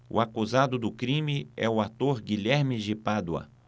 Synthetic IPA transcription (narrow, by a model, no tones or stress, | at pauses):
ʊ̰akuzad̪ʊd̪ʊkɾĩmɪɛ̰ʊat̪oɾɡiʎɛɾmɪd͡ʒɪpad̪wɐ̰